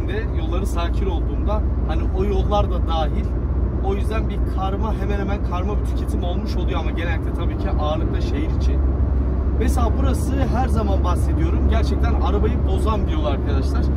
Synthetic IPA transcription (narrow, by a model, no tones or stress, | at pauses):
nd̪ɛjo̞lˠːaɾɯsaːcʰiɾo̞lˠd̪uːnd̪ahaniʔo̞jo̞lˠːaɾd̪ad̪aːɦilʲ | o̞jyzd̪ænbikʰaɾmaɦemænhemænkʰaɾmabit̪ʰyɾcʰe̞t̪ʰimo̞lˠmuʃo̞lˠujoamaɟenɛlʲic̚t̪ʰɛt̪ʰabiːcʰiʔaːɾlˠɯk̚t̪ˠaʃejiɾit͡ʃʰin | meselʲaːbuɾasɯɦæɾzamanbaxsed̪ijo̞ɾumɟæɾt͡ʃʰɛc̚t̪ʰænaɾabajɯbo̞zand̪ijo̞lˠaaɾkʰad̪aʃlˠaɾ̥